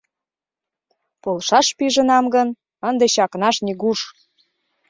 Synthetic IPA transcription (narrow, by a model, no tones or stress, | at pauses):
polʃɑʃpiʒə̆nɑmɡən | ənd̪eɕɑknɑʃniɣuʃ